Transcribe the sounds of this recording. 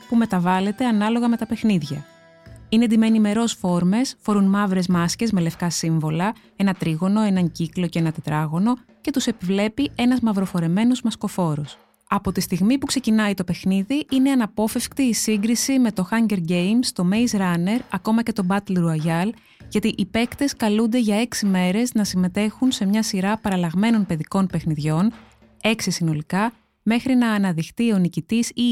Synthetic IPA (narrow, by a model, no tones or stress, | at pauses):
pume̞t̪ɐvɐle̞t̪e̞ɐnɐlo̞ɣɐme̞t̪ɐpexniðʝɐ | ined̪imenime̞ɾo̞sfo̞ɾme̞sfo̞ɾunmɐvɾe̞zmɐsce̞zme̞le̞fkɐsiɱvo̞lɐ | e̞nɐt̪ɾiɣo̞no̞e̞nɐɲciklo̞ceenɐt̪e̞t̪ɾɐɣo̞no̞ce̞t̪use̞pivle̞pie̞nɐzmɐvɾo̞fo̞ɾe̞me̞nozmɐsko̞fo̞ɾo̞s | ɐpo̞t̪ist̪iɣmipukse̞cinɐit̪o̞pe̞xniðiʔine̞ɐnɐpo̞fe̞fkt̪iːsiŋɡɾisime̞t̪o̞xɐɲɟe̞ɾɟe̞jmst̪o̞me̞jsɾɐne̞ɾɐko̞mɐce̞t̪o̞bɐt̪elɾuɐʝɐl | ʝɐt̪iʔipe̞kt̪e̞skɐlund̪e̞ʝɐe̞ksime̞ɾe̞znɐsime̞t̪e̞xunse̞mɲɐsiɾɐpɐɾɐlɐɣme̞no̞npe̞ðiko̞npe̞xniðʝo̞n | e̞ksisino̞likɐ | me̞xɾinɐːnɐðixt̪io̞nicit̪isi